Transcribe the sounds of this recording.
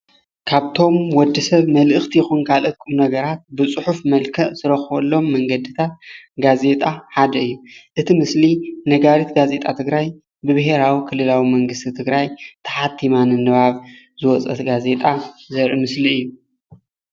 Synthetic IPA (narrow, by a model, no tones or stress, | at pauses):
kʰaβt̪ʰo̞mwɔd̪ːisɐβmɐlʔɨxt̪ʰijɪxunkʰalʔɨt̪̚kʼumnɐɡɐɾat̪̚bɨt͡sʼɨħufmɐlkʰɐʔz̥ɨɾɐxβɐlːo̞mːɐŋɡɐd̪ɨt̪ʰat̪̚ɡaze̞t̪ʼaħad̪ɐɨjːuʔɨt̪ʰimɨslinɐɡaɾit̪ɡaze̞t̪ʼat̪ʰɨɡɾaj | bɨβɨɦe̞ɾawikʰɨlːɨlawimɐŋɡɨst̪ʰit̪ʰɨɡɾajt̪ʰɐ̥ħat̪ʰːimanɨnːɨβaβ | zɨwɔt͡sʼɐ̰t̪ɡaze̞t̪ʼazɐɾʔimɨsliɨjːu